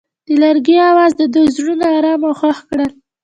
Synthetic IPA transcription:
d̪̥əlaɾɡiawɑzd̪əd̪ozɾunaːɾɑmoxaxkɽəl

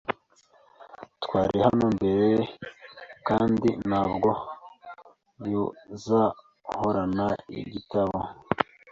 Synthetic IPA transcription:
tkwaːɾihanoːmbe̞ɾeje | kaːndinhaːbɡo̞ | juza | hoɾanaḭɟitaβo

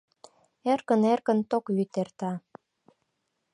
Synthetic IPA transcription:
erkə̆nerkə̆nt̪okjyt̪ert̪ɑ

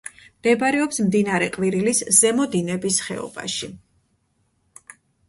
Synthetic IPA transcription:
md̪̥ɛbaɾɛɔpsmd̪inaɾɛqʼviɾiliszɛmɔd̪inɛbisχɛ̰ɔ̰ba̰ʃi

